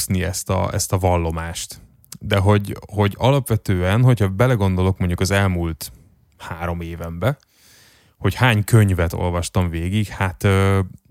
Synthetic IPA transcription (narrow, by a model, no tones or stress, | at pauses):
sniɛst̪ɒ̰ɛ̰st̪ɒvɒlːo̞maːʃt̪ | d̪ɛɦo̞ɟho̞ɟɒlɒpʋɛt̪øːɛnɦo̞chɒbɛlɛɡo̞nd̪o̞lo̞kmo̞ɲɟukɒzɛlmult̪ | haːɾo̞meːvɛmbɛ | ho̞chaːɲkøɲvɛt̪o̰lvɒʃt̪ɒɱveːɡiɡhat̪øː